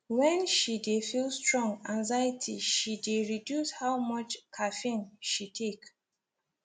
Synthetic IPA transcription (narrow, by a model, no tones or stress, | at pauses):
wɛ̃nʃidefilˠstɹɔ̃ŋɡãŋzajətʰiʃideɹidjushawmʌt͡ʃkʰafĩnʃitʰek